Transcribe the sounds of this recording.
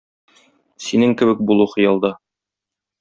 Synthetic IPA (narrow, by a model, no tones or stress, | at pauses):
sinɘŋkɘ̆βɘk̚bulˠuχɤ̆jɑlˠd̪ɑ